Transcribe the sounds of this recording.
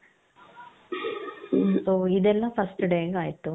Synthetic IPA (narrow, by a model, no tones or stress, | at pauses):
soːid̪ɛlːɐpʰɐsʈɖeːɡaːjt̪ːu